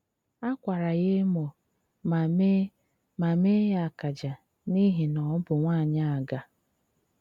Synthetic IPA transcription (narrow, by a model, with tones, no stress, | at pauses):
a˦kʷa˨ɾa˨ɣe˦mo˨ | me˦ | ma˨me˦ja˨a˨ka˨d͡ʒa˨ | ni˦ɦi˨nɔ˨˦bʊ˨ŋʷaː˦˨ɲa˦a˨ɡa˨